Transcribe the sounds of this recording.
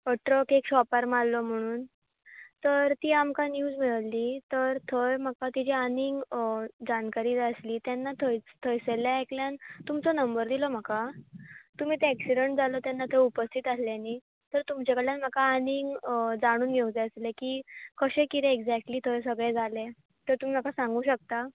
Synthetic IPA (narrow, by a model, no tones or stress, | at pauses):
əʈɾəkekɕɔpaɾmallɔm̤əɽ̃uːn | t̪əɾt̪iːamkanjuːd͡zmiɭliːt̪əɾt̪ʰəjm̤akat̪id͡ʑianiŋɡd͡ʑankaɾiːd͡zəsliːt̪janːat̪ʰət̪ʰəjseljaekljant̪umt͡sɔnəmbəɾd̪ilɔm̤aka | t̪um̤iːt̪eæksiɖəɳʈ̚d͡zalɔt̪janːat̪ʰəupəst̪ʰit̪asljaniː | t̪əɾt̪umt͡ɕakəɭjanm̤akaːniŋɡd͡zaɽ̃uːnɡʱeũd͡zeəslekiːkəɕẽkit̪ẽekd͡zækʈliːt̪ʰəjsəɡɭẽd͡zʱale | t̪əɾt̪um̤iːm̤akasãŋɡuːɕək̚t̪a